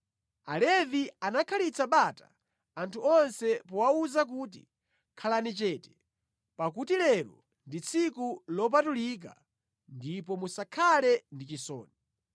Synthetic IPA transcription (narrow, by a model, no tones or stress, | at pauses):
alɛvianakʰalit͡saɓata̰ | antʰuɔnsɛpɔwauzak̬utḭ | kʰalanit͡ʃɛtɛ̥ | pak̬utilɛɾɔ̰ | ndit͡sʰikulɔp̬atulik̬a̰ | ndip̬ɔmusakʰalɛndit͡ʃisɔ̰ːni